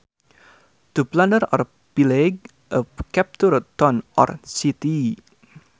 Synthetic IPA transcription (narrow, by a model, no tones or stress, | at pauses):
t̪uplandəɾɔr | pileɡ̚ | ʔəkɛp̚t̪urt̪ɔnʔɔ̰rsit̪i